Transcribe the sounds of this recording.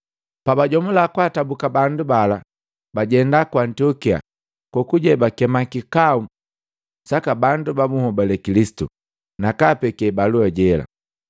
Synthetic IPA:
pabaɟɔmulakwatabukabandubala | baɟɛndakwantiɔkia̰ | kɔkuɟɛbakɛmakikau | sakabandubamuhɔbalɛkilisi̥tu | nakapɛkɛbaluaɟɛla̰

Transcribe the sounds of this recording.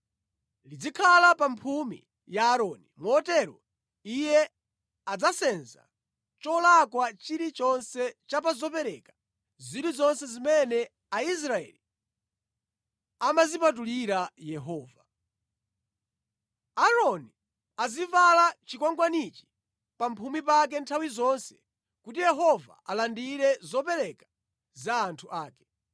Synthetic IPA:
lid͡zikʰalapampʰumḭ | jaːɾɔːnimwɔtɛɾɔ̰ | ijɛ | ad͡zasɛnza̰ | t͡ʃɔlakwat͡ʃiɾit͡ʃɔnsɛt͡ʃapazɔpɛɾɛkḁ | ziɾizɔnsɛzimɛnɛ | ais̬ɾaɛ̰li | amazipatuliɾajɛɦɔːva | aɾɔni | azivalat͡ʃikwaŋɡwanit͡ʃi̥ | pampʰumipak̬ɛntʰawizɔnsɛ̥ | kutijɛɦɔva̰alandiɾɛzɔpɛɾɛkḁ | zaːntʰuʔaːkɛ̥

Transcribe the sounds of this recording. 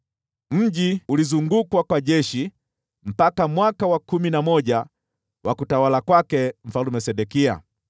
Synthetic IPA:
m̩ʄiulizuŋɡukwakwaʄɛʃi | m̩pakamwakawakuminamɔʄa | wʔakutawalakwakɛm̩falumɛsɛɗɛkia̰

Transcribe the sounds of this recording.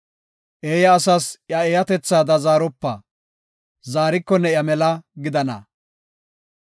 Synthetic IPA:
ʔeːjɐːsɐsjɐejɐt̪ɛt͡sːaːd̪ɐzaːɾɔpːɐ̰ː | zaːɾɪkːɔnːɛjɐmɛlɐɡɪd̪ɐnɐ̰

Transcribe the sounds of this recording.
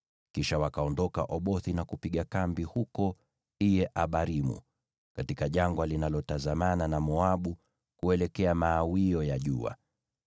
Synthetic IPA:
kiʃawakaɔndɔka̰ʔɔɓɔθinakupiɠakambihukɔ | ijɛʔaɓaɾimṵ | katikaʄaŋɡwalinalɔtazamananamɔaɓu | kuɛlɛkɛamaːwiɔjaʄua̰

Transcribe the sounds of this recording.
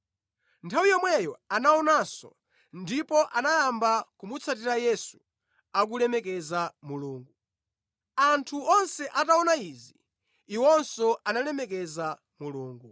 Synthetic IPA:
ntʰawijɔmwɛjɔanaɔnaːsɔ̰ | ndipɔʔanajambakumut͡sʰat̬iɾajɛsu | ak̬ulɛmɛkɛzamuluːŋɡu | antʰuɔnsɛʔataɔnaizi | iwɔnsɔʔanalɛmɛkɛza | muluːŋɡu

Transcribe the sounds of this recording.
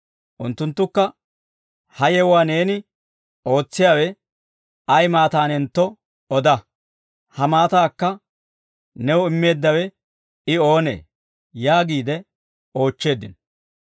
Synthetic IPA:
ʔʊnt̪ːʊnt̪ːʊkːɐ | hɐjɛwaːne̞ːnɪ | o̞ːt͡sːɪjaːwɛ | ɐjmaːt̪aːnɛnt̪ːɔ | ɔd̪ɐ | hɐmaːt̪aːkːɐ | nɛwʊɪmːe̞ːd̪ːɐwɛ | ɪo̞ːnḛː | jaːɡiːd̪ɛ | o̞ːt͡ʃːe̞ːd̪ːɪn

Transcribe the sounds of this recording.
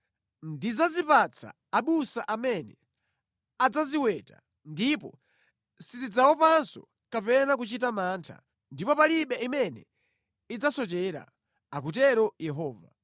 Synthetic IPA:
ndizazipat͡sʰa̰ːɓusaʔamɛnɛ | ad͡zaziwɛta | ndipɔ̰ | sizid͡zawɔpansɔ̰ | kapɛnakut͡ʃitamaːntʰa̰ | ndipɔpaliɓɛimɛnɛ̰ | id͡zasɔt͡ʃɛɾa̰ | akut̬ɛɾɔjɛɦɔːva̰

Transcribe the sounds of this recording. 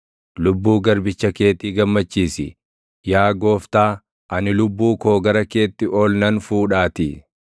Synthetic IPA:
lʊbːuːɡɐɾbɪt͡ʃːɐke̞ːt̪iːɡɐmːɐt͡ʃːiːsɪ̰ | jaːɡo̞ːft̪aː | ʔɐnɪlʊbːuːko̞ːɡɐɾɐke̞ːt̪ːɪʔoːlnɐnfuːᶑaːt̪ɪ

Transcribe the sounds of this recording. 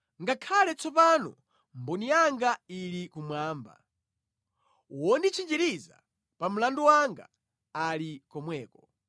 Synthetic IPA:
ŋɡakʰalɛt͡sɔpanɔ | mbɔnijaŋɡailikumwaːmba̰ | wɔndit͡ʃʰind͡ʒiɾiza̰ | pam̩landuwaŋɡa̰ | alikɔmwɛːkɔ

